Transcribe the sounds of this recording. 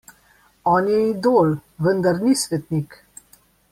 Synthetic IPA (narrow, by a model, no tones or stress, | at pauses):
ɔːnjɛid̪oːlʋənd̪aɾnisʋɛt̪nik